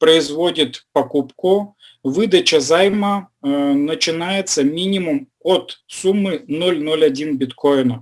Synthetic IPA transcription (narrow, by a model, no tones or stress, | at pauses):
pɾəɪzvodʲɪt̪pɐkupkʊ | vɨd̪ət͡ɕəzajmənət͡ɕɪnajɪt̪səmʲinʲɪmʊm | ot̪sumːɨnolʲnolʲɐdʲinbʲɪt̪ko̞jɪnə